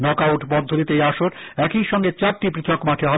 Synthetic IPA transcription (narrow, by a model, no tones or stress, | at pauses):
nɔkawʈbɔd̪ʱːod̪it̪ejaʃoɾ | ɛkiʃɔŋɡet͡ɕaɾʈipɾit̪ʰokmaʈʰeɦɔ